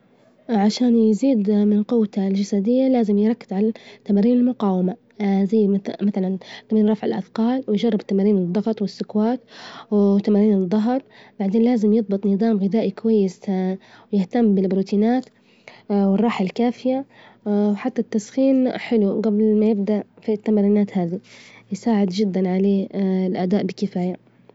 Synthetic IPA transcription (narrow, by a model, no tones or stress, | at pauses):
ʕaʃaːnjziːd̪mɪnqʊwld͡ʒasaːd̪ɪjːalaːzɪmjɾˤɑkːɪ̥zʕalat̪ːamaːɾiːnɪlmʊqɑːwama | zajːmaθalant̪aminɾˤɑfʕɪlʔa̰d̪qɑːlwɪjʒɑrˤːɪbt̪ːamaːɾiːnɨd̪ˤːɑɣɑt̪ˤwɪsːʊkwaːt̪wt̪ːamaːɾiːnɨd̪ˤːɑɦɾˤb̥aʕd̪eːnlaːzɪmjɨðˤbɨt̪ˤnɨðˤɑːmɣɪd̪aːʔikʊwajːɪswjɪht̪amːbɪlbɾuːt̪ʰiːnaːt̪ | wɪrˤːɑːħalkaːfɪja | wħat̪ːat̪ːasxiːnħɪluɡablmajɪb̚d̪aʔfit̪ːamaɾiːnaːt̪haːðijɪsaːʕɪd̪d͡ʒɪd̪ːanʕaleːlʔad̪aːʔbɪkɪfaːja